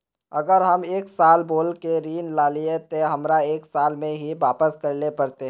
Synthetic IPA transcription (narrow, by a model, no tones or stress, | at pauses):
ɐɡəɾɦɐmeːksaːlboːlkeɾiːnlaːliet̪oɦɐmɾaeːksaːlmẽɦiʋaːpəskɐɾlepɐɾt̪eɦ